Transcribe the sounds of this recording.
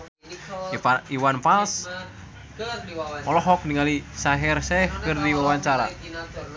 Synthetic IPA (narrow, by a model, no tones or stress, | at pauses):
iwanfals | mɔlɔɦɔkniŋalisaɦɪrsɛhkərdiwawaɲt͡ʃaɾa̰